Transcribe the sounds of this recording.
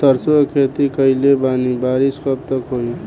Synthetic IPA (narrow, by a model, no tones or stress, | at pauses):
t̪əɾsokʰeːt̪ikəilebaːnibaːɾiskəb̚t̪əkɦoi